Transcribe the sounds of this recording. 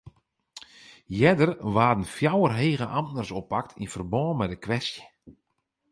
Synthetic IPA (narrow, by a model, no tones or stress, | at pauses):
jɛdərʋaːdən̩fjawərɦeːɣəʔamtnərsopak̚tʰḭnfərbɔːnmɛdəkʋɛstjə̥